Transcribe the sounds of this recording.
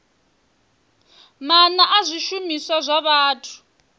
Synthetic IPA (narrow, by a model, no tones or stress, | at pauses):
manaʔazʷiʃumisazʷaβaːtʰu̥